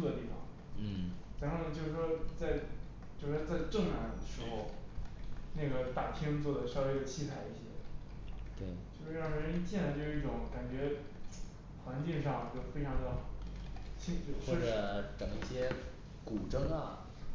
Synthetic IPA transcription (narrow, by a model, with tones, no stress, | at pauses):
ə˧t̪i˥˩fɑ̰˨˩ŋ̩˥˩ | t͡sa˧˥nxo˥˩nə˧t͡ɕjo˥˧ʊʂɻ̩˥˩ʂwɔ˥t͡sa˥˧ɪ | t͡ɕjo˥˧ʊʂʂwɔ˥t͡sa˥˧ɪʈ͡ʂɤ˥˩ŋna˧˥nd̪ə˩ʂɻ̩˧˥xo˥˧ʊ | na˥˩ɡə˩t̪a˨˩t̪ʰi˥ŋt͡swɔ˥˩d̪ə˩ʂɑ˥˧ʊwe˥˩ɪd̪ə˩t͡ɕʰi˥t͡sʰa˧˥˩ɪi˥˩ɕjɛ̰˥ | t̪we˥˩ɪt͡ɕjo˥˧ʊʂɻ̩˥˧ɻɑ˥˩ŋ˧ə˥n˥t͡ɕɛ˥˩nə˧˩t͡ɕjo˥˧ɻ̩˥˧˥i˥˩ʈ͡ʂʊ˧˥˦ŋka˨˩nt͡ɕɥɛ˧˥ | xwa˧˥nt͡ɕi˥˧ŋʂɑ˥˧ŋi˥˩ə˧˥˩fe˥ɪʈ͡ʂʰɑ˧˥ŋd̪ə˨ | t͡ɕʰi˥t͡ɕo˥˧wɔ˥˩ʈ͡ʂɤ˨˩˦ʈ͡ʂɤ˨˩ŋi˥˩ɕjɛ˥ | ku˨˩ʈ͡ʂɤ˥ŋɐ˨˩